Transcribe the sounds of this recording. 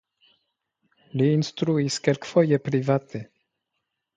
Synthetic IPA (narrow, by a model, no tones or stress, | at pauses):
liːnst̪ɾuiskelkfojepɾivat̪ʰe